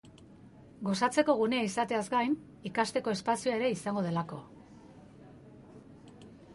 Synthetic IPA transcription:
ɡo̞sat͡se̞ko̞ɣ̞une̞aisat̪e̞azɡajn | ikast̪e̞ko̞e̞spasioaeɾe̞isaŋɡo̞ð̞e̞lako̞

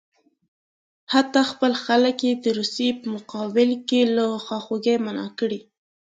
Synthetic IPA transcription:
hat̪ɑxpəlxaləkjed̪əɾusepəmʊqɑbɪlkeləxɑxoɡejmanɑ̰kəɽi

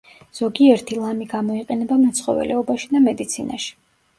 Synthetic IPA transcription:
z̥ɔɡiɛɾt̪ʰilˠamiɡamɔiqʼɛnɛbamɔt̪sʰχɔ̰vɛ̰lɛɔbaʃid̪amɛd̪it̪sʰina̰ʃi̥

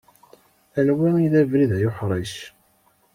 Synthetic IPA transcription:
ænwiiðævɾiðjʊħɾˤiʃ

